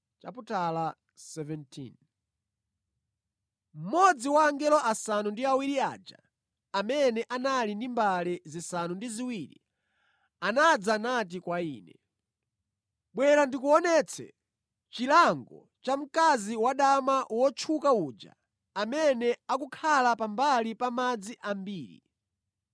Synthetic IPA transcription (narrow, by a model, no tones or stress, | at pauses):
t͡ʃa̰putala | sɛvɛntʰḭn | m̩mɔd͡ziwaːŋɡɛlɔʔasanundiawiɾia̰ːd͡ʒa̰ | amɛnɛʔanalindimbalɛzisanundiziwiɾḭ | anad͡zanat̬ikwaḭːnɛ | ɓwɛɾandikuɔnɛt͡sʰɛ̰ | t͡ʃilaŋɡɔ̰ | t͡ʃam̩kaziwaɗamaʔwɔt͡ʃʰukauːd͡ʒa̰ː | mɛnɛakukʰalapambalipamad͡ziʔambiːɾḭ